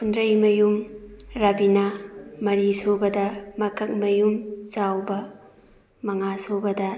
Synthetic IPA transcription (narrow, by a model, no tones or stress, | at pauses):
hundɾɐjmɐjumɾabinamɐɾisobɐdɐmɐkɐk̚mɐjumt͡ʃawbɐ | mɐŋasobɐdɐ